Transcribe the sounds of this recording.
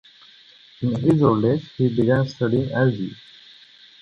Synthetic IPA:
ĩnɦizolɖeshibiɡæ̃nsʈʌɖiɪ̃ŋæzḭ

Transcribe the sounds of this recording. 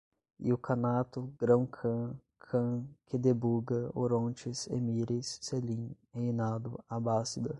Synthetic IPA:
ḭʊkʰɐnat̪ʊɡɾɐ̃w̃kʰɐ̃ | kʰɐ̃kʰɪd̪ebuɡɐo̰ɾõnt͡ʃɪsḛmiɾɪsːelĩhejnad̪ʊabasid̪ɐ

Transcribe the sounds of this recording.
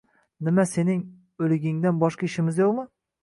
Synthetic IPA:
nɪmase̞nɪŋ | ɵlɪɡʲɪŋd̪anbɒʃqaɪʃɪmɪzjoqmɪ

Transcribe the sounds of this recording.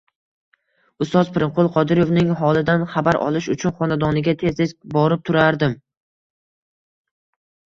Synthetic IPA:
ʊst̪ɒzpɪɾɪɴqʰolˠqʰɒd̪ɪɾjovnɪŋɦɒlˠɪd̪anχabaɾʔɒ̰lˠɪʃʊt͡ʃʰʊnχɒnad̪ɒnɪɡʲat̪ʰe̞zezbɒɾɪp̚t̪ʰʊɾaɾd̪ɪm

